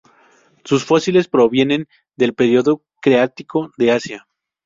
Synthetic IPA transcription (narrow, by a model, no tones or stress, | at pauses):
susfo̞sile̞spɾo̞βje̞nẽ̞n | d̪e̞lpe̞ɾjo̞ðo̞ | kɾeat̪iko̞ðe̞asja